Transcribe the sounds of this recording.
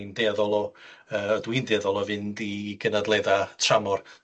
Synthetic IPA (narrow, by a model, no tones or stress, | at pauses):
ndɛðɔlˠɔəːɔdwindɛðɔlˠɔvɨndiɡ̥ənadlˠeðatʰramɔr